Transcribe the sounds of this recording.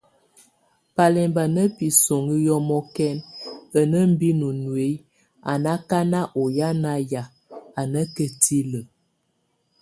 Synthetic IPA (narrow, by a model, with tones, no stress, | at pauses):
pa˨lɛ˨mba˨nə˦pi˨so˨ŋɡi˦jɔ˦mɔ˦kɛ˦nə˨nə˦m̩˦bi˦nu˨nwe˨˦ | a̰˨na˦ka˦na˦ʔo˨ja˦na˦ja˨ | a˨nə˦kə˨ti˦lə˨